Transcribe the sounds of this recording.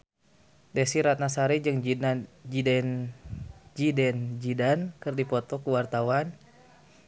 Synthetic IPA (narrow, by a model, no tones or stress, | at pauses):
dɛsiɾat̪̚nasaɾid͡ʒɨŋd͡ʒidɛn | d͡ʒidɛnd͡ʒidankɨrdipɔt̪ɔkuwart̪awan